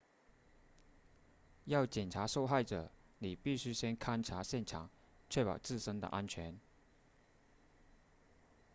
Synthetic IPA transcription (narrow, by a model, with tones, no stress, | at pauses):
jɑ˥˩ʊt͡ɕjɛ˨˩nʈ͡ʂʰa˧˥ʂo˥˧ʊxa˥˩ɪʈ͡ʂɤ̰˨˩˦ni˨˩pi˥˩ɕy˥ɕjɛ˥nkʰa˥nʈ͡ʂʰa˧˥ɕjɛ˥˩nʈ͡ʂʰɑ̰˨˩˦ŋ | t͡ɕʰɥɛ˥˩pɑ˨˩ʊt͡sɹ̩˥˩ʂə˥ŋd̪ə̰˨ʔa˥nt͡ɕʰɥɛ˧˥n